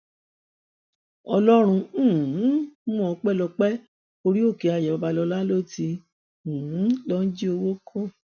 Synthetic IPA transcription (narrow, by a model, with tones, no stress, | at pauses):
ɔ˧lɔ˦ɾ̃ũ˧˦˨mũ˦ɔ˧k͡pɛ˦lɔ˧k͡pɛ˦ | o˧ɾi˦o˦˨ke˨˧a˧˨jɛ˨ba˨˧ba˧lɔ˧la˦lo˦˨tĩ˧˨˦ | lɔ˦n̩˦d͡ʒi˦o˧wo˦kʰo˦˨